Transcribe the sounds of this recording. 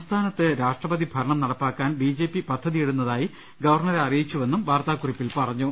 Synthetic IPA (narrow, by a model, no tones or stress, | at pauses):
smst̪ʰaːnɐt̪ːeɾaːʂʈrɐbɐðibʱɐɾɐɳɐmnɐɽɐpːaːkːaːnbiːd͡ʑeːpːipɐd̪ʱːɐðijeɽunːɐðaːji | ɡɐʋɐrɳɐɾeɐrijit͡ɕːuʋe̞nːumbaːrt̪aːkuripːilpɐrɐɲːu